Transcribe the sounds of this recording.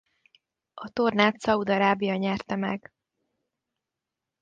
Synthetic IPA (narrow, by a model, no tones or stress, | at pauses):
ɒt̪o̞rnaːt̪sɒud̪ɒɾaːbijɒɲɛrt̪ɛmɛ̰ɡ